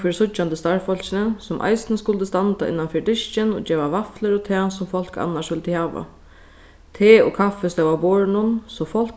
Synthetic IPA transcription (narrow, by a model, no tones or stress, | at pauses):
fɪɾsʊt͡ʃːant̪əst̪aɹfɔlɕɪnəsʊmʔa̰jsnəskʊlt̪əst̪ant̪aɪ̰nːanfɪɖɪʃt͡ʃɪnɔ̰d͡ʒeːʋaʋafləɾɔt̪ʰɛːsʊmfɔl̥ka̰nːaʂʋɪlt̪əhaːʋa̰ | t̪ʰeːɔ̰kʰafɛst̪awaboːɹnʊnsɔfɔl̥k